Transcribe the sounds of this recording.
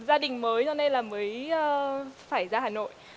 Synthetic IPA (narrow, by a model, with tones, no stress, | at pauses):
zaː˧ɗï˨˩ŋ̟məː˨˦jzɔ˧na˧jlaː˨˩məː˨˦jʔəː˧faː˧˩jzaː˧haː˨˩no̰˧˨jʔ